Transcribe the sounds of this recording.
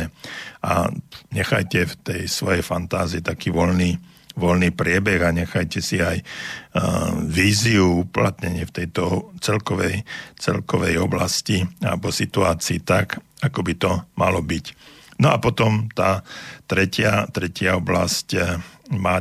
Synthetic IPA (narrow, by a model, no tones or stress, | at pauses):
ɛa̰ɲɛxajcɛft̪ɛjsʋɔjɛjfant̪aːziːt̪akiːʋɔlniː | ʋɔlniːpɾɪɛbɛɣaɲɛxajcɛsiaj | ʋiːziuuːplat̪ɲɛɲɪɛft̪ɛjt̪ɔt͡sɛlkɔʋɛjt͡sɛ̰lkɔʋɛjɔbla̰scia̰lɛbɔsit̪uaːt͡siːt̪akakɔbit̪ɔmalɔbicnɔapɔt̪ɔmt̪aːt̪ɾɛcɪat̪ɾɛcɪaɔbla̰sc | maː